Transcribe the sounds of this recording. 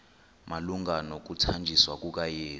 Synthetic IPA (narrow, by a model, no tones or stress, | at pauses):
maluŋɡʱanɔk̬utʰand͡ʒʱiswak̬ʼuk̬ʼajeː